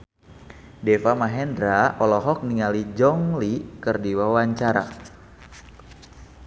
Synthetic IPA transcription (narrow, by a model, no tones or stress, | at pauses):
dɛfamaɦɛndɾaɔlɔɦɔk̚niŋalid͡ʒɔŋlikɨrdiwawaɲt͡ʃaɾa̰